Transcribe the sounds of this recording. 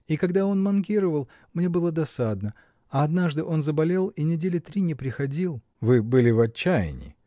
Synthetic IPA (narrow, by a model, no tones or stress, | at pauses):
ikɐɡd̪ao̞nmɐnkʲiɾəvəlˠ | mnʲe̞bɨlˠəd̪ɐsad̪nə | ɐɐd̪naʐd̪ɨʔo̞nzəbɐlʲe̞lˠinʲɪdʲelʲɪt̪ɾʲinʲɪpɾʲɪxɐdʲilˠ | vɨbɨlʲɪvɐt͡ɕːæjɪ̰nʲɪ̰